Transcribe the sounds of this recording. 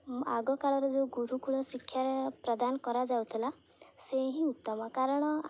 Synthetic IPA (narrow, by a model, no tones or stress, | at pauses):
a̰ɡɔkaɭɔɾed͡zoɡuɾukuɭɔsikʰjaɾepɾɔd̪ankɔɾad͡zawt̪ʰla | seɦĩut̪ːɔmakaɾɔɽ̃ɔ